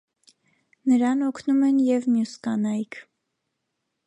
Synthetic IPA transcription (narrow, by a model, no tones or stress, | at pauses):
nəɾɑnɔkʰnumɛnjɛvmjuskɑnɑjkʰ